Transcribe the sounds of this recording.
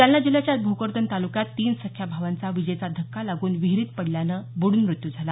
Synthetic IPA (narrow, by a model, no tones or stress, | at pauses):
t̪janːad͡ʑiljat͡ɕjad̪̚bʱokəɾd̪ənt̪alukjat̪ːiːnsəkʰjabʱaʋant͡saʋid͡ʑəjt͡sad̪ʱəkʰːalaɡuːnʋiɦɾiːt̪̚pəɽljanəbuɽuːnmɾut̪jud͡zʱala